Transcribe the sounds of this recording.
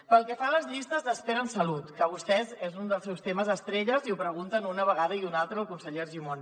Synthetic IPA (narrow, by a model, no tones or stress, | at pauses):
pəlˠkɛfaləzʎist̪əzðəspeɾənsəlut̪kəβ̞ust̪ɛzezund̪əlˠs̬ɛwst̪eməzəst̪ɾeʎəziupɾəɣ̞unt̪ənunəβəɣaðəiunalˠt̪ɾəːlˠkunsəʎeɾʒimon